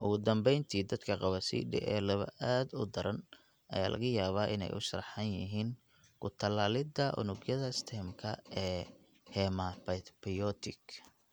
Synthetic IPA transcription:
ʔʊɣʊd̪ɐmbɛjnt̪ʰiːd̪ɐd̪kʰɐqɑβɐsḭːɖɪ̰ʔɛ̰ːlɐβɐ̰ʔaːd̪ʊd̪ɐɾɐn | ʔɐ̰ja̰ːlʔɐ̰ɣɐjaːβaːʔɪ̰nɛ̰jʊʃɐrħɐnjɪɦiːn | kʰʊt̪ʰɐlaːlɪd̪ɐʔʊ̰nʊɡjɐðɐɪst̪ʰɛːmkʰɐɛː | hɛmɐpɐpɪjɔt̪ʰɪk

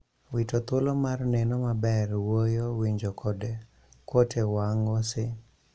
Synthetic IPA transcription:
witot̪olomarnɛnɔmabɛrwojowiɲd͡ʒokʰɔde | kwotʰewaŋɔsɪ

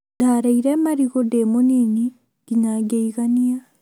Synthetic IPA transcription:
daːɾaiɾɛmaɾiɣodemonini | ɡ̥iɲaɡeiɣania

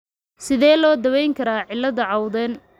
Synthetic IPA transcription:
sɪðɛːlɔːd̪ɐwɛjŋkʰɐɾaːʕɪlːɐðɐʕɑwðɛːn

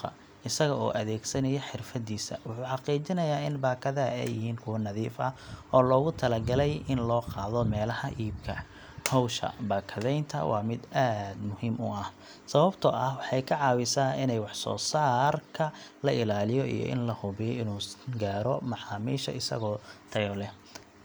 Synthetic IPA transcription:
ɐ̰ | ʔɪsɐɣɐɔ̰ːʔɐðɛːɡsɐnɐjɛħɪrfɐðiːsɐ̰wʊħuːħɑqiːt͡ʃɪnɐjaːɪnbaːkʰɐðɐ̰ɛ̰jɪhiːnkʰʊwɐnɐðiːfɐʔɔːlɔːɣʊt̪ʰɐlɐɡɐlɛjɪnlɔːqɑːðɔmɛːlɐhɐʔiːb̚kʰɐ̰ | hɔwʃɐ̰baːkʰɐðɛjnt̪ʰɐ̰wʔɑ̰ːmɪd̪aːd̪mʊhiːmʊɐh | sɐβɐbt̪ʰɔʔɐhwɑħɑjkʰɐʕɑːwɪsaːɪnɛjwɑħsɔ̰ːsaːrkʰɐlɐʔɪlaːlɪjɔḭjɔ̰ʔɪ̰nlɐhʊβɛjɛjɪnuːɡaːɾɔmɑħɑːmiːʃɐ̰ɪsɐ̰ɣɔːt̪ʰɐjlɛ

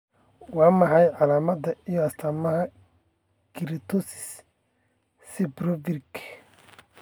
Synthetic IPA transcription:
wɑːmɑħɑjʕɑlaːmɐd̪ɐijɔɐst̪ʰaːmɐɦɐ | ɡ̥ɪɾit̪ʰɔsɪ̥s | sɪbɾɔvɪrɡ

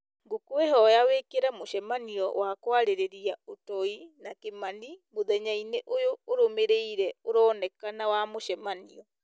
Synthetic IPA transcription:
ŋɡokweɦɔjawekeɾamoʃɛmaniɔ̰wakwaɾeɾeɾiaotɔinakemanimoðɛɲaineʔojoːɾomeɾeiɾɛoɾɔːnɛkanawamoʃɛmaniɔ

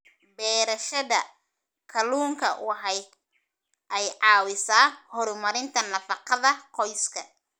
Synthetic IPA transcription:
bɛːɾɐʃɐðɐ | kʰɐluːŋkʰɐ̰wɑħɛj | ʔɛjʕɑːwɪsaːhɔɾʊmɐɾɪnt̪ʰɐnɐfɑqɑðɐqʰɔjskʰɐ

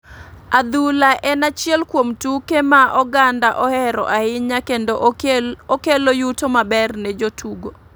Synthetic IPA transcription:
ad̪ulaʔɛnat͡ʃjɛlkwomtukemaʔɔɡandaʔɔhɛɾɔ̰ʔaɪɲakendo | okelojutomabɛrnɛd͡ʒotʰuɡo

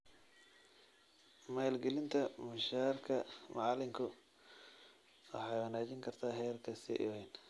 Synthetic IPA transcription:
maːlɡɛlɪnt̪ʰɐmʊʃaːrkʰɐmɑʕɑlɪmkʰʊ | wɑ̰ħɑjwɑnaːt͡ʃɪŋkʰɐrt̪ʰaːɦɛːrkʰɐsɪ̰ʔɪwɛjn

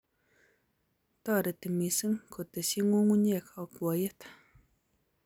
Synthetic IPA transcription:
t̪aɾət̪əmisəŋkʰot̪əɕiŋoŋoɲakʰakoajət̪

